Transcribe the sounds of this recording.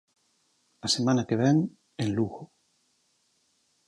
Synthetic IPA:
asemãnakeβ̞eŋ | enluɣo

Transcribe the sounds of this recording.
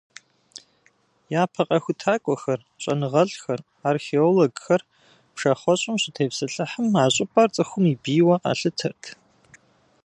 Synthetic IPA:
jaːpʰɐqʼɐxʷʊtʰaːkʷʼɔxɐr | ɕʼɐnɨʁɐɮxɐr | aːrxeoloɡxɐr | pʂɐχʷɔɕʼɪmɕɪtʰeːpsɨɬɨħəmaːɕʼɪpʼɐrt͡sʼɨxʷʊmiːbiːwɐqɑ̰ːɬɨtʰɐrtʰ

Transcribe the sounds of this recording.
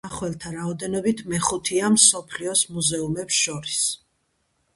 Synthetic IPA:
aχwɛlˠt̪ʰaɾaɔd̪ɛnɔbit̪ʰmɛχut̪ʰiamsɔpʰliɔsmuzɛumɛpsʃɔɾis

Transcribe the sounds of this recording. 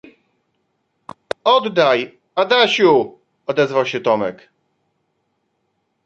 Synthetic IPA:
ɔd̪ːaj | ad̪aɕu | ɔd̪ɛzvawɕɛt̪ɔmɛ̰k

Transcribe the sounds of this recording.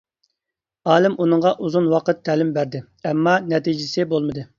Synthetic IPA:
ɑːlˠɪmʔunɨŋʁɑʔuzunwɑqət̪ʰːæːlɪmbæɾd̪ɪ | ɛmːɑnɛt̪id͡ʒɪsɪbolˠmɨd̪ɨ

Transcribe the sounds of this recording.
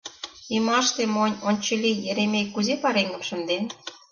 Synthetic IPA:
imɑʃt̪emonʲonʲt͡ɕə̆lʲijĕɾemekːuzepɑɾeŋɡə̆mʃə̆nd̪en

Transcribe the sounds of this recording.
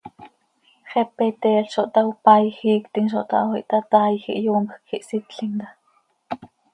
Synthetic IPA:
χɛpɛt̪ɛːɬʃoʔt̪ɑwpɑjxiːkt̪iŋʃo̰ʔt̪ɑ̰ʔwhḭʔt̪ɑt̪ɑːjxḭʔjuːmpxkxiʔsit̪ɬiŋt̪ɑ

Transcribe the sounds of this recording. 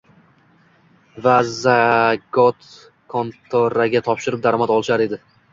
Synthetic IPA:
vazaɡɒt̪ | kʰont̪ʰoɾaɡʲat̪ʰɒpʃɪɾɪp̚d̪aɾɒmat̪ɒlˠɪʃaɾe̞d̪ɪ

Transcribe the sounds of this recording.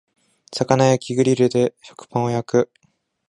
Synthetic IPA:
sakanajakʲiɡɯ̟ɾʲiɾɯ̟d̪e̞ɕo̞̥kɯ̥pãɰ̃ojakɯ̟

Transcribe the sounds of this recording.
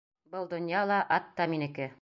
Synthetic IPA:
bɤlˠd̪ŏnjɑlˠɑʔɑt̪ːɑminɘ̆kɘ

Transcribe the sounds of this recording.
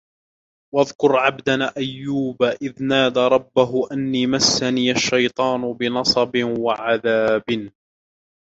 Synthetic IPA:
waðkʊɾʕabd̪anaʔajːuːbaʔɪðnaːd̪ɾˤɑbːaɦʊʔanːiːmasːaniːʔaʃːɑjt̪ˤɑːnʊbɪnɑsˤɑbɪwaʕaðaːbn

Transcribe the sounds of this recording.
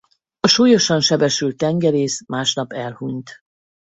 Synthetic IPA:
ɒʃuːjo̞ʃɒnʃɛbɛʃylt̪ːɛŋɡɛɾeːsmaːʃnɒpɛlhuɲt̪

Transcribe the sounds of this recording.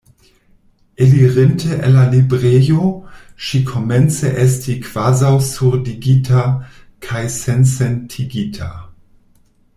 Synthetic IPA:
eliʁentʰeʔelːalibʁejoʃikʰoment͡sḛʔes̬tikv̥azawsuɾdiɡitʰa | kʰajsensentʰiɡitʰa̰

